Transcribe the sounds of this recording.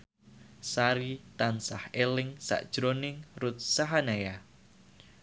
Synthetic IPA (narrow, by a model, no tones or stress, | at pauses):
saɾit̪ansahelɪŋsa̰ʔd̥ʒ̥ɾonɪŋrut̪̚saɦanaja